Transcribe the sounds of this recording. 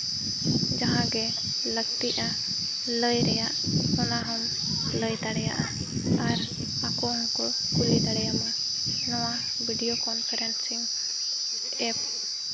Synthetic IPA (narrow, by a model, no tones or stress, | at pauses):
d͡ʒaɦãɡɛ | ləɡ̚t̪iʔa | ləjɾɛjaʔhɔnaɦɔm | ləjt̪aɽɛja̰ʔa | aɾ | akɔɦɔŋkɔ | kulid̪aɽɛjama | nɔwa | biɖijokɔnpʰaɾɛnsiŋ | ɛp̚